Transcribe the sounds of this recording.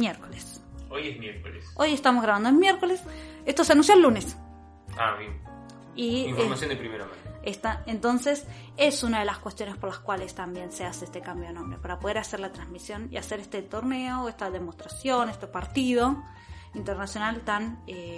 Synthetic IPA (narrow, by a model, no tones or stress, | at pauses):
mjeɾkoles | ojezmjeɾkoleso̞jest̪amozɣɾaβand̪oemjeɾko̞les | est̪oseanũnsjoelːune̞s | a̰βjen | iiɱfomasjond̪epɾimeɾama̰est̪aent̪o̞nse̞s | e̞sunaðe̞laskwe̞st̪jo̞ne̞spoɾlaskwalest̪ambje̞nseaseest̪ekambjonõ̞mbɾḛpaɾapoð̞e̞ɾaseɾlat̪ɾanzmisjo̞nḭase̞ɾest̪et̪o̞ɾneoest̪aðe̞most̪ɾasjo̞nest̪epaɾt̪iðo̞ | int̪eɾnasjo̞nalt̪ane